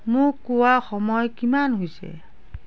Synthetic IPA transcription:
mʊkːʊwaxɔmɔjkimanɦojsɛ̰

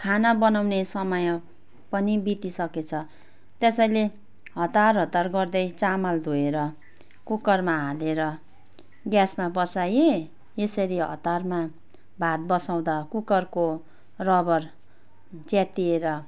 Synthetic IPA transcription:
kʰanabʌnawnesʌmʌj | pʌnibit̪isʌket͡sʰʌ | t̪esʌjle | ɦʌt̪arɦʌt̪arɡʌrd̪ʌjt͡samald̪ʱoeɾʌ | kukʌrmaɦaleɾʌ | ɡjasmabʌsaje | esʌɾiɦʌ̰t̪arma | bʱat̪̚bʌsaw̃d̪akukʌrko | rʌbʌr | d͡zat̪ieɾʌ

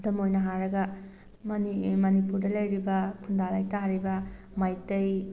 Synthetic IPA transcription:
dɐmojnɐɦaɾɐɡɐ | mɐnimɐnipuɾdɐlɐjɾibɐkʰundalɐjtaɾibɐ | majtɐj

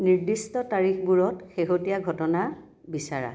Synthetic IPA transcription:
niɹdistɔtaɹixbuɹɔtxeɦotijaɡʱɔtɔna | bisaɹa̰

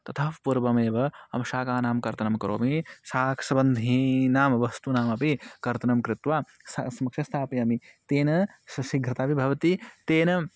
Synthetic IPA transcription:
t̪ɐt̪ʰɐfpuɾbɐmeːbɐɐmʃaːkaːnaːmkɐɾt̪ɐnɐmkɐɾo̰ːmisaːkʰsɐbɐnd̪ʱinaːmʋɐst̪unaːmɐpikɐɾt̪ɐnɐmkɾɪt̪ʋaː | sɐsɐmɐkʃʰɐst̪ʰaːpiɐmit̪eːnɐsɐʃiɡʱɐt̪aːbibʱɐʋɐt̪it̪eːnɐ

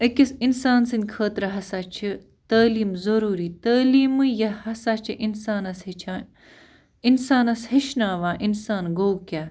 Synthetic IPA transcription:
ɐkʲɐsinsaːnsɐnʲkʰəːt̪ɾɐɦɐsat͡ʃʰi | t̪ɐːliːmzɐɾuːɾiːt̪ɐːliːmɨjɐhɐsat͡ʃʰiʔinsaːnɐshit͡ʃʰaː | insaːnɐshɐʃnaːʋaːʔinsaːnɡoːkʲaː

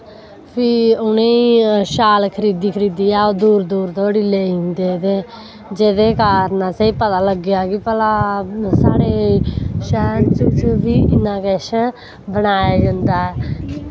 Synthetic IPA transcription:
pʰɪʊnẽːiʃaːlkʰəɾiːd̪iːkʰəɾiːd̪iːaːoːd̪uːɾd̪uːɾt̪oːəɽiːleːĩnd̪eːt̪eː | d͡ʒeːd̪eːkaːɾnãːseiːpət̪aːləɡɪjaːkɪpəlaːsaːɽeːʃɛːnt͡ʃət͡ʃbiːʔɪnãːkeʃ | bənaːjaːd͡ʒənd̪aːɛː

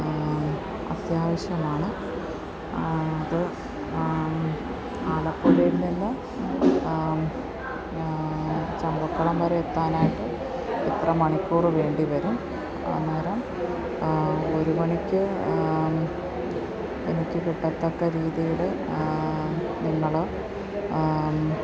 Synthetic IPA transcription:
ɐ̰t̪jaːʋɐɕjɐmaːɳɨ | ɐðɨ | aːlɐpːoːlelunːinːɨ | t͡ɕɐmbɐkːɐɭɐmbɐɾɐet̪ːaːnaːjiʈːɨ | it̪rɐmɐɳikʲːuːrɨʋe̞ːɳɖiʋɐɾum | ɐ̰ɐnːeːɾɐm | o̞ɾuʋɐɳikʲːɨ | enikʲːɨkiʈːɐt̪ːɐkːɐɾiːðijiɭɨ | niŋːɐɭɨ

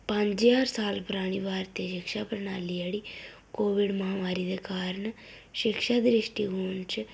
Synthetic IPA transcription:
pəɲd͡ʒjaːɾsaːlpʊɾaːɽ̃iːbaːɾt̪eːʃɪkʃaːpəɾnaːliːaːɽiː | koːʋɪɖməɦaːmaːɾiːd̪eːkaːɾəɳ | ʃɪkʃaːd̪ɾɪʃʈiːɦoːnt͡ʃ

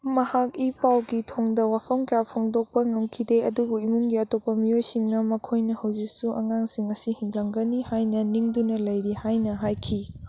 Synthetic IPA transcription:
mɐhak̚ipawɡitʰoŋdɐwapʰɐmkɐjapʰoŋdok̚pɐŋɐmkʰideɐdubuimuŋɡiɐtopːɐmiojsiŋnɐmɐkʰojnɐhɐwzik̚suʔɐ̰ŋaŋsiŋɐsihiŋɡaŋɡɐnihajnɐniŋdunɐlɐjɾihajnɐɦajkʰi

